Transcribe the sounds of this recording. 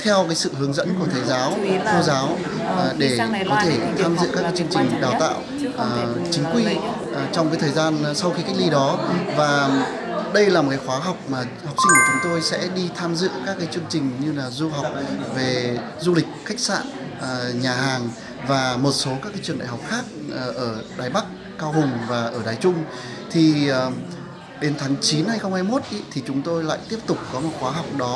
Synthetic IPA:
t̪ʰɛ˧wkaː˨˦jsɨ̰˧˨hɨ˨˦əŋzə̰˧˥nku˧˩ət̪ʰəː˨˩jzaː˨˦wtʰo˧zaː˨˦w | ɗe˧˩kɔ˨˦t̪ʰe˧˩t̪ʰaː˧mzɨ̰˧˨kaː˦˥kːaː˨˦t͡ɕɨ˧əŋt͡ɕï˨˩ŋ̟ɗaː˨˩wt̪a̰ː˧˨wʔʔːt͡ɕï˨˦ŋ̟kwi˧ | t͡ɕɔ˧wŋ͡mkaː˨˦t̪ʰəː˨˩jzaː˧nsa˧wxi˧ka˦˥k̚li˧ɗɔ˨˦vaː˨˩ | ɗə˧jlaː˨˩m̚˨˩kaː˨˦xwaː˨˦ɦa˨˩wk͡p̚maː˨˩ | ha˨˩wk͡p̚si˧ŋ̟ku˧˩t͡ɕʊ˨˦ŋ͡mt̪o˧jsɛ̰˧˥ɗi˧t̪ʰaː˧mzɨ̰˧˨kaː˦˥kːaː˨˦jt͡ɕɨ˧əŋt͡ɕï˨˩ŋ̟ɲɨ˧laː˨˩zu˧ɦa˨˩wk͡p̚ve˨˩ | zu˧lï˨˩k̟̚xa˦˥k̟̚sa̰ː˧˨n˨˩ | ɲaː˨˩ɦaː˨˩ŋ | vaː˨˩mo˨˩t̚so˨˦kaː˦˥kːaː˨˦t͡ɕɨ˧˩ənɗa̰ː˧˨ha˨˩wk͡p̚xaː˦˥k̚ːʔəː˧˩ɗa̰ː˧˨˩jɓa˦˥k̚ːaː˧wɦʊ˨˩ŋ͡mvaː˨˩ʔəː˧˩ɗaː˨˩jt͡ɕʊ˧ŋ͡m | t̪ʰi˨˩˨ | ɗe˨˦nt̪ʰaː˨˦ŋt͡ɕi˨˦nha˧jxə˧wŋ͡mha˧jmo˦˥t̚ʔi˦t̪ʰi˨˩t͡ɕʊ˨˦ŋ͡mt̪o˧jla̰ː˧˨jt̪i˦˥əp̚t̪ʊ˨˩k͡p̚kɔ˨˦mo˨˩t̚xwaː˨˦ɦa˨˩wk͡p̚ɗɔ˨˦

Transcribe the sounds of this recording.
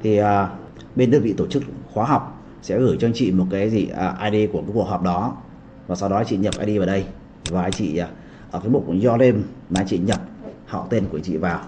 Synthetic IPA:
t̪ʰi˨˩ʔəː˨˩ | ɓe˧nɗəː˧nvḭ˧˨t̪o˧˩t͡ɕɨ˦˥k̚xwaː˨˦ɦa˨˩wk͡p̚ | sɛ̰˧˥ɣɨ˧˩jt͡ɕɔ˧ŋ͡mt͡ɕḭ˧˨mo˨˩t̚kaː˨˦jzi˨˩ə˨˩ʔaː˧jɗe˧kəkaː˨˦ku˨˩ək̚ɦɔ˨˩p̚ɗɔ˨˦ | vaː˨˩sa˧wɗɔ˨˦a˧t͡ɕḭ˧˨ɲə˨˩p̚ʔa̰ː˧ɗi˧vaː˨˩ɗə˧j | vaː˨˩˨t͡ɕḭ˧˨a˨˩ | ʔəː˧˩kaː˨˦jmu˨˩t̚zɔ˧le˧nmaː˨˦t͡ɕḭ˧˨ɲə˨˩p̚hɔ̰˧˨wt̪e˧nku˧˩ət͡ɕḭ˧˨vaː˨˩w

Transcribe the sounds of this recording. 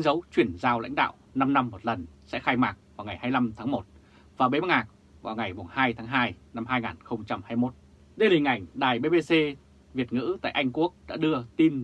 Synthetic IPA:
i˨˦ŋzə˨˦wt͡ɕwi˧˩ənzaː˧wla̰˧˥jŋ̟ɗa̰ː˧˨wna˧mna˧mːo˨˩t̚lə˨˩nsɛ̰˧˥xaː˧jmaː˨˩k̚vaː˨˩wŋa˨˩jhaː˧jla˧mt̪ʰaː˨˦ŋmo˨˩t̚ | vaː˨˩wɓe˨˦a˧˩ŋaː˨˩k̚ | vaː˨˩wŋa˨˩jɓo˨˩ŋhaː˧jt̪ʰaː˨˦ŋɦaː˧jna˧mɦaː˧jŋaː˨˩nxə˧wŋ͡mt͡ɕa˧mhaː˧jmo˦˥t̚ | ɗə˧jlï˨˩ŋ̟ʔa˧˩jŋ̟ɗaː˨˩jɓe˧ɓe˧se˧ | vi˨˩ət̚ŋɨ̰˧˥t̪a̰ː˧˨ʔa˧jŋku˦˥ək̚ɗa̰ː˧˥ɗɨ˧ət̪i˧n

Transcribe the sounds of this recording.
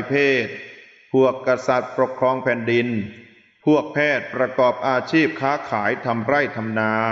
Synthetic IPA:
pʰeː˥˩t̪̚ | pʰu˨˩əkːa˧sa˨˩t̪̚pɾo˨˩kʰɾɔː˧ŋpʰɛː˨˩ndi˧n | pʰu˥˩ək̚pʰɛː˥˩t̪̚pɾa˧kɔː˨˩p̚ʔaː˧t͡ɕʰiː˥˩p̚kʰaː˦˥kʰaː˩˦jt̪ʰa˧mɾa˥˩jt̪ʰa˧mnaː˧

